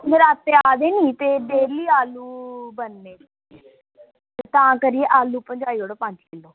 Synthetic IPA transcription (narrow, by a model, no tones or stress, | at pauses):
nd̪əɾaːt̪ːeːaːd̪eːniːt̪eːdeːliːaːluːbənːeː | t̪eːt̪ãːkəɾiːeːʔaːluːpəɲd͡ʒaːiːoːɽopãːʈʰikeloː